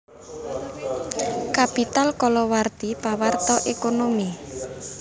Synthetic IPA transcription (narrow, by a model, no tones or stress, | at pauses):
kapit̪alkɔlɔwart̪ipawart̪ɔʔekonomi